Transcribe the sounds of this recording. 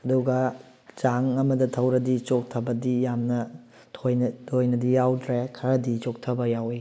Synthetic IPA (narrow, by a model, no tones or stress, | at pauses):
ɐduɡɐ | d͡ʒaŋɐmɐdɐtʰɐwɾɐdit͡ʃok̚tʰɐbɐdijamnɐ | tʰojtʰojnɐdijawdɾekʰɐɾɐdit͡ʃok̚tʰɐbɐjawi